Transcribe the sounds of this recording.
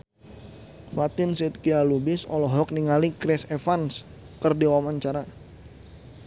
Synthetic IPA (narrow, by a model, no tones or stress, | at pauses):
fat̪ɪnsit̪̚kialubɪsɔlɔɦɔk̚niŋalikɾɛsefans | kərdiwamaɲt͡ʃaɾa